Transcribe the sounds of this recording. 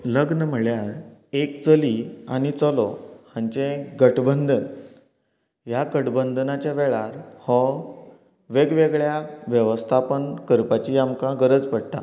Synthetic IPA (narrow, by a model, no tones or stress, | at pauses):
ləɡnəm̤əɭjaɾek̚t͡səliaɽ̃it͡səlɔhãɲt͡ɕẽɡəʈbənd̪ʱən | ɦjakəʈbənd̪ʱənat͡ɕaʋeɭaɾhɔ | ʋeɡʋeɡɭjaʋjəʋəst̪ʰapənkəɾpat͡ɕiamkãɡəɾəd͡zpəɽʈ̪a̰